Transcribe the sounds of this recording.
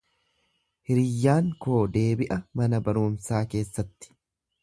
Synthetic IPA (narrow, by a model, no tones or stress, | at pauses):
hɪɾɪjːaːŋko̞ːd̪e̞ːbɪʔɐmɐnɐbɐɾuːmsaːke̞ːsːɐt̪ːɪ̥